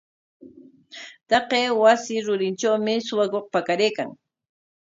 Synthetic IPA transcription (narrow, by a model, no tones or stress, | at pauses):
t̪ɑqeːwasɪɾʊɾɪnt͡ʃawmɪsʊwakoq̚pakaɾejka̰ŋ